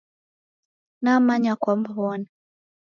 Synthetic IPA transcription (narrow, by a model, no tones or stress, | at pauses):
namaɲakwambawɔna